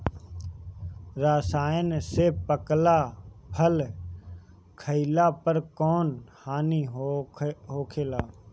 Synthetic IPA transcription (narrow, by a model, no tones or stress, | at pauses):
ɾaːsaːənseːpəklaːpʰəl | kʰəilaːpəɾkoːnhaːniː | ɦoːkʰeːlaː